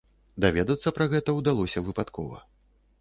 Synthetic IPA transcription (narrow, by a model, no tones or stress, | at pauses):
d̪avʲɛd̪ɐt̪sːɐpɾɐɣɛt̪ɐwd̪alˠɔsʲɐvɨpat̪kʰɔ̰vɐ̰